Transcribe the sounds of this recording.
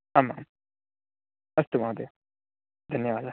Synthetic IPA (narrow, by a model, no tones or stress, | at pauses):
amaːm | ɐst̪umãːd̪e | d̪ʱɐnjaʋaːla